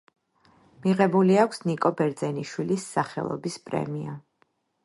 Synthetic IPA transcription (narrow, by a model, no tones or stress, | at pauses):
miʁɛbuliakʷʰsnikʼɔbɛɾd̪zɛniʃwilisːaχɛ̰lˠɔ̰bispʼɾɛ̰mia